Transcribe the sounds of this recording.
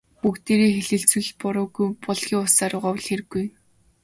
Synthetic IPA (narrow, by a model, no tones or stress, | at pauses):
pukt̪eːɾeːxeɮɘ̆ɬt͡swɘ̆ɮpʊɾʊːɣujpɔɮxʲiːŋʊsaɾʊʁɔw̆ɮxeɾɘ̆ɡːuj